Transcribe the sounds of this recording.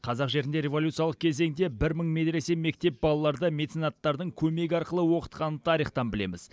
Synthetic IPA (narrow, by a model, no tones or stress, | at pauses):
qʰɑzɑqʒe̞ɾɪnd̪e̞ɾʲe̞vo̞lʲut̪sɨjɑlˠəq̚kʲʰe̞ze̞ŋd̪ebɪɾməɴmed̪ɾe̞se̞me̞k̚t̪e̞p̚bɑlˠɑlˠɑɾd̪əmʲe̞t̪sinɑt̪ːɑɾd̪əɴkʲʰɵme̞ɡʲɪɑɾqəlˠəwo̞qə̥t̪qɑnət̪ʰɑɾiχt̪ɑnbɪlḛmɪz̥